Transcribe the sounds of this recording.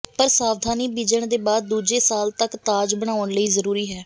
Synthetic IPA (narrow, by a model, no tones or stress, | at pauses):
pəɾsaːʋd̪ʱaːniːbiːd͡ʒəɳd̪eːbaːd̪̚ːuːd͡ʒeːsaːlt̪əkt̪aːd͡ʒbəɳ̃aːəɳləiːzəɾuːɾiːɦɛː